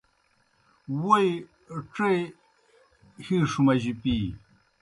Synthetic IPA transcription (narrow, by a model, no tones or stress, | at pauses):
woj | ʈ͡ʂej | hiʂumɐʑipi